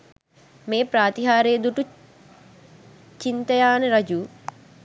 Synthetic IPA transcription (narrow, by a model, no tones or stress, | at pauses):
meːpɾaːt̪iɦaːɾejd̪uʈu | t͡ʃint̪əjaːnəɾɐd͡ʒu